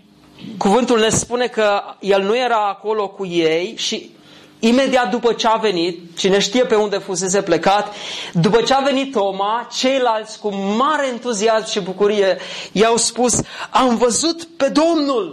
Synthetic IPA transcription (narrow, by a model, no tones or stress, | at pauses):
kuvɨnt̪ulne̞spune̞kəje̞lnuje̞ɾaːko̞lo̞kujejʃiː | me̞d̪iat̪̚d̪upət͡ʃeave̞nit̪̚ʃine̞ʃt̪ije̞pe̞und̪e̞fus̬e̞s̬e̞ple̞kat̪d̪upət͡ʃeave̞nit̪o̞mat͡ʃe̞jlalt̪sʲkumaɾe̞ːnt̪uziasmʃibukuɾije̞jawspusamvəzut̪pe̞d̪o̞mnul